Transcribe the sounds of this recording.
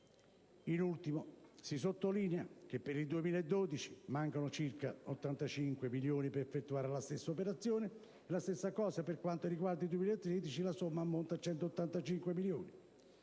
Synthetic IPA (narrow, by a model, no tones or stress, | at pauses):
inult̪imosis̬ot̪ːoliːneak̟epːeɾid̪uemiːlaed̪ːoːd̪it͡ʃi̥maŋkanot͡ʃirkaot̪ːant̪at͡ʃiŋkwemiljoːnipeɾefːet̪ːuaːɾɪlast̪esːaopeɾat̪sːjoːneː | last̪esːakɔːsaperkwant̪oɾiɡward̪id̪uwemiːlaet̪ːɾeːd̪it͡ʃilasomːaːmːont̪at͡ʃːɛnt̪oot̪ːant̪at͡ʃiŋkwemiljoːni